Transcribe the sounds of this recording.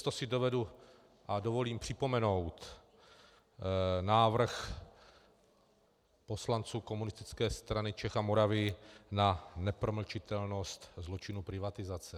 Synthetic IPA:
t̪osɪdo̞vɛdu | ʔadovo̞liːmpr̝̥ɪpo̞mɛno̞wt̪ | naːvr̩x | po̞slant͡suːko̞munɪst̪ɪt͡skɛːst̪ɾanɪt͡ʃɛxamoɾavɪnanɛpɾoml̩t͡ʃɪt̪ɛlno̞st̪zlo̞t͡ʃɪnupɾɪvat̪ɪzat͡sɛ

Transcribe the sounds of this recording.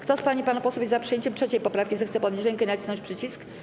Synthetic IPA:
kt̪ɔspaɲipanapɔsɔbʲezapʂɨjeɲt͡ɕɛmtʂɛt͡ɕɛjpɔpɾafkʲizɛxt̪sɛpɔd̪ɲʲit͡ɕɾɛŋkɛnat͡ɕsnɔ̃t͡ɕʲpʂɘt͡ɕisk

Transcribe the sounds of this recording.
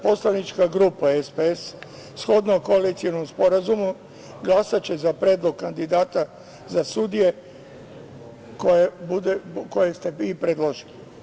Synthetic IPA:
po̞slanit͡ʃkaɡɾupaespees | sxo̞d̪naoko̞alit̪sionomspo̞ɾazumu | ɡlˠasat͡ɕe̞zapɾeːd̪lˠo̞ɡ̚kand̪id̪aːt̪a | zasud̪ije̞ | kojebud̪ekojest̪e̞ipɾed̪lˠo̞ʒili

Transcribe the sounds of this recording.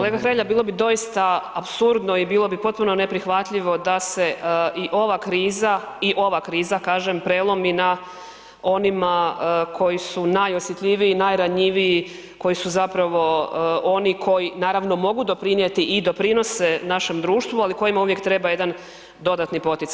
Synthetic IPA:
kkolˠe̞ɡaxɾeʎabiːlˠo̞bid̪o̞jist̪aapsuɾd̪noibiːlˠo̞bipo̞t̪̚puno̞ne̞pɾixʋat̪ʎiʋo̞d̪ase̞iʔo̞ʋakɾiːza | iʔo̞ʋakɾiːzakaːʒempɾeːlˠo̞mina | o̞nimakʰo̞jisunajo̞sjet̪ʎʲiʋiinajɾaɲiʋii | ko̞jisuzapɾaʋo̞o̞nikʰo̞jinaːɾaʋno̞mo̞ɡud̪o̞pɾinjet̪iʔːd̪o̞pɾino̞senaʃe̞md̪ɾuːʃt̪ʋualiko̞jimauʋje̞k̚t̪ɾe̞baje̞d̪an | d̪o̞d̪at̪nipo̞t̪it̪sa

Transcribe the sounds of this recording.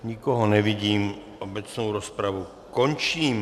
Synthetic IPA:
ɲikɔɦɔnɛʋiɟiːmʔɔbɛt͡snuʊɾɔspɾaʋu | kɔɲt͡ʃiːm

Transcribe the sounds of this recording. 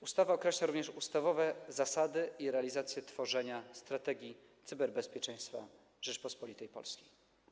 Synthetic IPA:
ust̪avaɔkɾɛʃlaɾuvɲɛʂust̪avɔvɛzasad̪ɘiɾɛalʲizat̪sʲjɛt̪fɔʐɛɲast̪ɾat̪ɛɡʲji | t̪sɘbɛɾbɛspʲjɛt͡ʂɛ̃j̃st̪fa̰ | ʐɛt͡ʂpɔspɔlʲit̪ɛjpɔ̰lskʲij

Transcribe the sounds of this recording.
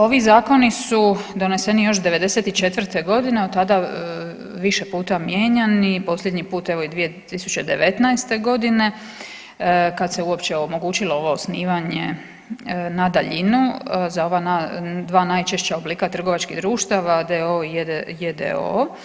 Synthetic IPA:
o̞ʋizaːko̞nisud̪o̞ne̞se̞nijo̞ʃd̪e̞ʋe̞d̪e̞se̞t̪it͡ʃe̞t̪ʋr̩t̪e̞ɡo̞d̪ineot̪ːad̪a | ʋiʃe̞puːt̪amje̞ːɲanipo̞sʎʲed̪ɲipuːt̪e̞ʋo̞id̪ʋije̞t̪isut͡ɕe̞d̪e̞ʋet̪najst̪e̞ɡo̞d̪ine̞ | kad̪se̞uo̞pt͡ɕeomo̞ɡuːt͡ʃilo̞o̞ʋo̞osniːʋaɲe | nad̪aʎinuzao̞ʋanad̪ʋaːnajt͡ʃeʃt͡ɕaobliːkat̪r̩ɡoʋat͡ʃkid̪ɾuːʃt̪aʋad̪eoijed̪ḛo̰

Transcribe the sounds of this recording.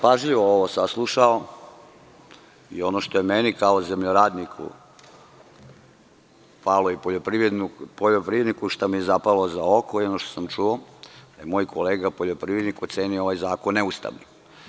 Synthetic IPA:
paʒʎiʋooʋosaslˠuʃao | io̞noʃt̪ojemenikaozemʎoɾaːd̪nikʰṵ | palojepoʎopɾiʋɾed̪nupoʎopɾiʋed̪nikuʃt̪amijezapalozaokʰoio̞noʃt̪osamt͡ʃuod̪̥ajemoːjkʰoleːɡapoʎo̞pɾiʋɾed̪nikot̪seːniooajzaːkonːeust̪a̰ʋni

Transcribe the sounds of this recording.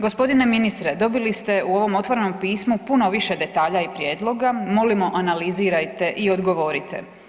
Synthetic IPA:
ɡospo̞d̪ine̞minist̪ɾed̪o̞bilist̪e̞uo̞ʋo̞mo̞t̪ʋo̞ɾe̞no̞mpiːsmupuno̞ʋiʃe̞d̪e̞t̪aːʎaipɾje̞ːd̪lˠo̞ɡamo̞limo̞ʔanaliziːɾajt̪e̞ʔio̞d̪ɡo̞ʋo̞ɾit̪ʰe̞̰

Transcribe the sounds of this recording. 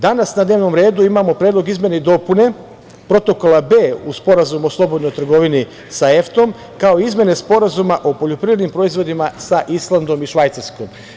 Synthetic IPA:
d̪anasnad̪neːʋno̞mɾe̞ːd̪uimamo̞pɾed̪loɡizmjeneid̪o̞pune̞ | pɾo̞t̪o̞ko̞labe̞ːuspo̞ɾazumo̞slˠo̞bo̞d̪nojt̪r̩ɡo̞ʋini | sae̞ft̪o̞m | kaoiizmje̞ne̞spo̞ɾazumaʔo̞po̞ʎo̞pɾiʋɾed̪nimpɾo̞izʋo̞d̪imasaʔislˠand̪o̞miʃʋajt̪saɾsko̞m

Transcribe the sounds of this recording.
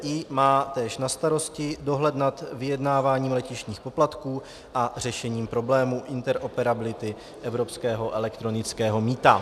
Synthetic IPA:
ʔiːmaːt̪ɛːʃnast̪aɾo̞scɪdo̞ɦlɛd̪nat̪vɪjɛdnaːvaːɲiːmlɛcɪʃɲiːxpo̞plat̪kuː | ʔar̝ɛʃɛɲiːmpɾo̞blɛːmuʔɪnt̪ɛɾʔopɛɾabɪlɪt̪ɪ | ʔɛvɾo̞pskɛːɦo̞ʔɛlɛkt̪ɾo̞nɪt͡skɛːɦo̞miːt̪a

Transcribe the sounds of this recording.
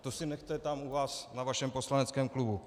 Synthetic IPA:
t̪osɪnɛxt̪ɛt̪amuvaːsnavaʃɛmposlanɛt͡skɛːmklubu

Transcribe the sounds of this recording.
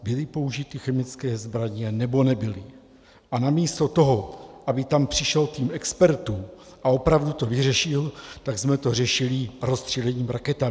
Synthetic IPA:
bɪlɪpo̞uʒɪt̪ɪxɛmɪt͡skɛːzbɾaɲɛnɛbo̞nɛbɪlɪ | ʔanamiːst̪o̞t̪o̞ɦo̞ʔabɪt̪ampr̝̥ɪʃɛlt̪iːmɛkspɛɾt̪uːmʔao̞pɾavdut̪o̞vɪr̝ɛʃɪlt̪aɡzmɛt̪o̞r̝ɛʃɪlɪɾost̪r̝̥ilɛɲiːmɾakɛt̪a

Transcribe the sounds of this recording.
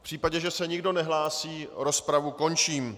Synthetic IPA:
fpr̥iːpaɟɛʒɛsɛɲɪɡdo̞nɛɦlaːsiːɾo̞spɾavuko̞nt͡ʃiːm

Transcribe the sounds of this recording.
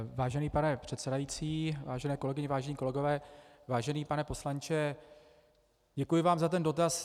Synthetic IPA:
vaːʒɛniːpanɛpr̥ɛt̪sɛdajiːt͡siːvaːʒɛnɛːko̞lɛɡɪɲɛvaːʒɛnɲiːko̞lɛɡo̞vɛːvaːʒɛniːpanɛpo̞slaɲt͡ʃɛ | ɟɛkujɪvaːmzat̪ɛndo̞t̪as

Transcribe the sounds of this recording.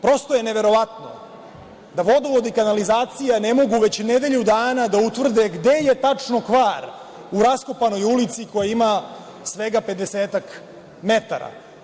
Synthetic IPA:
pɾo̞st̪o̞jeneʋe̞ɾo̞ʋat̪no̰ | d̪aʋo̞d̪oʋod̪ikanalizaːt̪sijane̞mo̞ɡuʋe̞t͡ɕned̪e̞ʎud̪aːnad̪aut̪vr̩d̪eɡd̪e̞je̞t̪at͡ʂno̞kʋaːɾ | uɾasko̞pano̞julit̪siko̞jaima | sʋeɡape̞d̪eseːt̪ak | me̞t̪a̰ɾa̰

